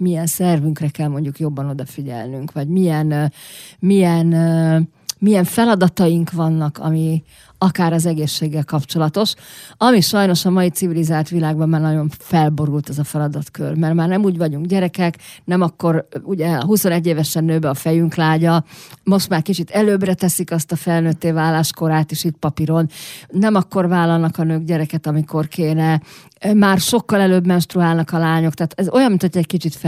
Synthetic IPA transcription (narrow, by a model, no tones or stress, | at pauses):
mijɛnsɛrvyŋkrɛkɛlmo̞ɲɟukjo̞bːɒno̞d̪ɒfiɟɛ̰lnyŋkʋɒɟmijɛn | mijɛn | mijɛɱfɛlɒd̪ɒt̪ɒjiŋkʋɒnːɒkɒ̰mi | ɒkaːɾɒzɛɡeːʃːeːɡːɛlkɒpt͡ʃo̞lɒt̪o̞ʃɒmiʃɒjno̞ʃɒmɒit̪sivilizaːlt̪ʋilaːɡ̚bɒmːaːrnɒɟo̞ɱfɛlbo̞ɾult̪ɛzɒfɛlɒd̪ɒt̪kø̰rmɛrmaːrnɛmuːɟvɒɟuŋɡɟɛɾɛkɛknɛmɒkːo̞ɾuɟɛɦuso̞nɛɟːeːvɛʃɛnːøːbɛɒfɛjyŋklaːɟɒmo̞ʃt̪maːrkit͡ʃit̪ɛløːbrɛt̪ɛsikɒst̪ɒfɛlnøt̪ːeːvaːlːaːʃko̞ɾaːt̪eːʃit̪̚pɒpiɾo̞nnɛmɒkːo̞rvaːlːɒlnɒkɒnøːɡɟɛɾɛkɛt̪ɒmiko̞rkeːnɛ | maːrʃo̞kːɒlɛløːbmɛnʃt̪ruaːlnɒkɒlaːɲo̞kt̪aːt̪ɛzo̞jɒmit̪ʰoc̪ːɛckit͡ʃit̪f